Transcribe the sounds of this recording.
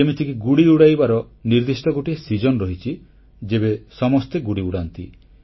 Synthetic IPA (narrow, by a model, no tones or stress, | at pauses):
emit̪ʰikiɡuɽiuɽajbaɾɔ | niɾd̪isʈɔɡoʈisid͡ʒɔnɔɾɔɦit͡ʃʰi | d͡ʒebesɔmɔst̪eɡuɽiuɽant̪ḭ